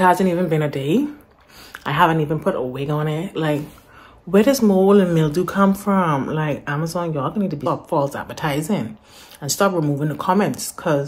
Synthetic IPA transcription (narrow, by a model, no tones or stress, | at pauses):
ɪt̚hæzɨ̃ntivɨ̃nbɨ̃nɨdeɪ | aɪɦævɨ̃ntivɨ̃npʰʊɾəwɪɡ̃nɪt̚laɪk | wɛdʌsmoʊlˠɨ̃nmɪlˠdɨkʰʌ̃ɱfɹʌ̃mlaɪkæməzɑ̃njə˞ɔɡʌ̃nĩtʰɨbipfɔlˠsæ̰dvətʰaɪzɪ̃ŋ | ə̃nstɑpɹimuvɪ̃ŋðəkʰɑmɛ̃ntskʰʌz